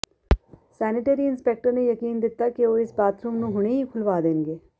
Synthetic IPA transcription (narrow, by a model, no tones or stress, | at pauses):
sɛːnɪʈeːɾiːɪnspeːk̚ʈəɾneːjəkiːnd̪ɪt̪ːaːkeoːɪsbaːt̪ʰɾuːmnũːɦʊɳ̃eːɦiːkʰʊlʋaːd̪eːnɡeː